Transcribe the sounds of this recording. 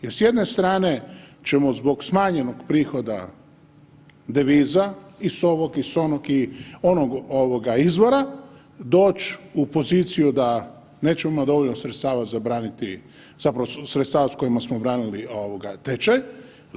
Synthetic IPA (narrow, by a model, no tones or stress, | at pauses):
jesje̞d̪ne̞st̪ɾaːne̞t͡ʃe̞mo̞zbo̞ɡsmaːɲe̞noɡpɾiːxo̞d̪a̰ | d̪eʋiːzaiso̞ʋokiso̞nokio̞noɡo̞ʋoɡaizʋo̞ɾa | d̪o̞ːt͡ʃupo̞ziːt̪sijud̪a | ne̞ːt͡ʃemomad̪o̞ʋoʎnosɾet̪st̪aːʋat̪zabɾaːnit̪i | zapɾaʋosɾet̪st̪aːʋasko̞jimasmobɾaːnilioʋoɡat̪et͡ʃaj